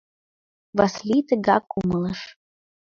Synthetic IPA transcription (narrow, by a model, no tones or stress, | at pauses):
vaslʲit̪ɨɡakʼuməlˠəʂ